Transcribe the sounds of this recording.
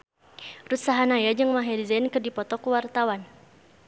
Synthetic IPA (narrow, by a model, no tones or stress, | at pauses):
rusaɦanajad͡ʒɨŋmaɦɛdizankɨrdipɔt̪ɔkuwart̪awan